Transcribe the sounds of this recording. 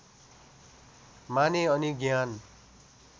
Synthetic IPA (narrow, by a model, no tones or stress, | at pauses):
maneʌniɡjan